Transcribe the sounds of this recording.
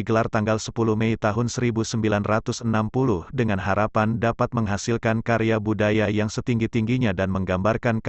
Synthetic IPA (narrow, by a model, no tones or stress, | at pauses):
iɡəlart̪aŋɡalsəpuluhmɛit̪aɦʊnsəɾibusəmbilanrat̪ʊsənampulʊhdəŋanɦaɾapandapat̪̚məŋɦasɪlkankaɾeabudajajaŋsət̪iŋɡit̪iŋɡiɲadanməŋɡambarkank